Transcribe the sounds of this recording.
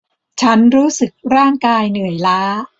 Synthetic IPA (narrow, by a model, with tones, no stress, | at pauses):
t͡ɕʰa˦˥nɾuː˦˥sɯ˨˩k̚ɾaː˥˩ŋkaː˧jnɯ˩˦əjlaː˦˥